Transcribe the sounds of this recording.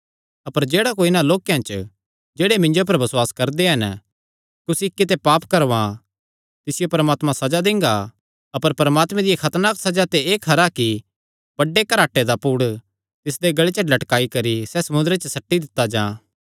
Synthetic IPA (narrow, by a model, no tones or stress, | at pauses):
ɐpəɾd͡ʒeːɽakoɪnãloːkjãt͡ʃ | d͡ʒeːɽemɪ̃ɲd͡ʒop̬ɐɾbɐswaːskɐɾd̪eɦɐn | kʊsikːit̪epaːpkɐɾʋã | t̪ɪsɪjopɐɾəmaːt̪mãsɐd͡ʒad̪ɪ̃ŋɡa | ɐpəɾpɐɾəmaːt̪mẽd̪ijekʰɐt̪naksɐd͡ʒat̪eeːkʰɐɾaki | b̥ɐɖːekɐɾaːʈːed̪apuːɽ | t̪ɪs̬d̪eɡɐɭet͡ʃəlɐʈkaːikɐɾisɛsɐmʊ̃nd̪ɾet͡ʃəsɐʈːid̪ɪt̪ːad͡ʒãː